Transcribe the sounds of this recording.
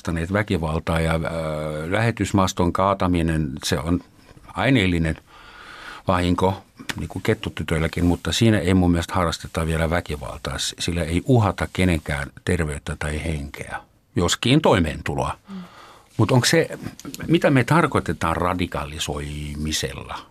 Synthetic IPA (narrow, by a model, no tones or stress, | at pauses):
t̪ɑneːt̪ʋækiʋɑlt̪ɑːjɑ | læhet̪ysmɑst̪oŋkɑːt̪ɑminenseon | ɑineːlːinen | ʋɑhiŋkonḭːŋkuket̪ːot̪yt̪ølːækinmut̪ːɑsiːnæeimumːiælest̪hɑrːɑst̪et̪ːɑʋielæʋækiʋɑ̰lt̪ɑ̰ːssilːæeiʔuhɑt̪ɑkkeneŋkæ̰ːnt̪erʋeyt̪ːæt̪ɑiheŋkḛæ̰ | joskiːnt̪oimḛːnt̪ulo̰ɑ̰ | mut̪oŋksemit̪æmet̪ɑrkot̪et̪ɑːrrɑdikɑlisoimisḛlːɑ̰